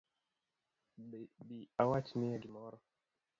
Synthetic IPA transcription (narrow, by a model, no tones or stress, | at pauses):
biawat͡ʃnijaɡimɔɾɔ